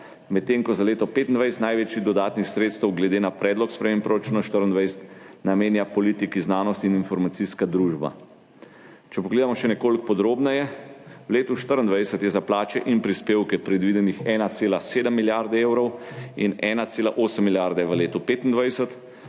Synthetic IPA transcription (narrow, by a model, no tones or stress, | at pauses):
mɛt̪ːeːŋkɔzaleːt̪ɔpeːt̪ind̪ʋajsɛt̪najʋeːt͡ʃiɣd̪ɔd̪aːt̪nixsɾeːt̪st̪ɛwɡlɛd̪eːnapɾɛːd̪lɔkspɾɛmeːmpɾɔɾat͡ʃuːnaʃt̪əɾənd̪ʋajsə̥t̪nameːnjapɔliːt̪ikiznaːnɔst̪ininfɔɾmat̪siskad̪ɾuːʒba̰ | t͡ʃɛpɔɡleːd̪amɔʃɛnɛkoːlkpɔd̪ɾoːbnajɛwleːt̪uʃt̪əɾənd̪ʋajsət̪jɛzaplaːt͡ʃɛʔinpɾispeːwkɛpɾɛd̪ʋid̪ɛnixɛːnat̪seːlaseːd̪əmːiljaɾd̪ɛeːwɾɔwḭnɛːnat̪seːla̰ʔoːsəmːiljaɾd̪ɛʋəleːt̪ɔpeːt̪ind̪ʋajsət̪